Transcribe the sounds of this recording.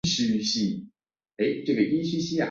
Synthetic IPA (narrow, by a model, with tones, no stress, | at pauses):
ɕy˥ɕi˥˩ | e˥˩ɪʈ͡ʂɤ˥˩ɡə˨ʔi˥˦ɕi˥ɕi˥a˨˩